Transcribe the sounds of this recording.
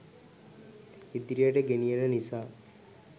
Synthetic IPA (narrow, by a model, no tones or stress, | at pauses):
id̪ɾijəʈəɡenijənənisaː